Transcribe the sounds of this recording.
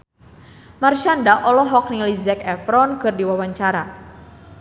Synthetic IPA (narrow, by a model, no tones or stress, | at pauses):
marʃandaʔɔlɔɦɔk̚nilizɛkɛfɾɔnkɨrdiwawaɲt͡ʃaɾa